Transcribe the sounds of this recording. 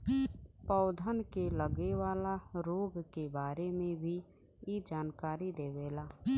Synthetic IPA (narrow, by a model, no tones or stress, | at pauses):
pəʊd̪ʱənkeləɡewaːlaɾoːɡkebaːɾemẽbʱi | jed͡ʒaːnkaːɾid̪eːʋeːlaː